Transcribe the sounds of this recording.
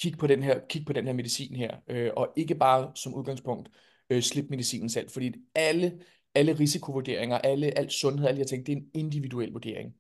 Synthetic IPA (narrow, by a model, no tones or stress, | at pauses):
kʰiɡ̥̚pʰɒ̽ɾenɦeɐ̰kʰiɡ̥̚pʰɒ̽d̥enheɐme̝ð̞ˠisḭːnɦeɐ̰øʔɒ̽ʔe̝ɡ̥əb̥ɑ̈ːsɒ̽muð̞ˠɡ̥ɑ̈ŋspʰɔ̽ŋ̰d̥ | øsle̝b̥me̝ðˠisḭːnn̩sæl̰̥fɒd̥ḭːælə | æləʁisikʰo̝ʋuɐd̥e̝ɐ̰e̝ŋɐʔæləʔæl̰d̥sɔ̽nɦeðˠæld̥iɑt͡sʰeŋɡ̥̚d̥̚eɐene̝nd̥iʋiduel̰ʋuɐd̥e̝ɐ̰eŋ